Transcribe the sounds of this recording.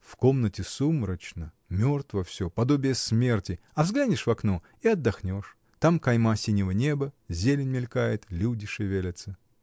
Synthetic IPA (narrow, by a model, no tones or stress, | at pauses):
fko̞mnətʲɪsumɾət͡ɕnə | mʲort̪vəfsʲopɐd̪obʲɪjəsmʲe̞rtʲɪ | ɐvzɡlʲanʲɪʂvɐkno | iɐd̪ːɐxnʲo̞ʂ | t̪amkɐjmasʲinʲɪvənʲe̞bəzʲelʲɪnʲmʲɪlʲkajɪt̪lʲudʲɪʂɨvʲelʲət̪sə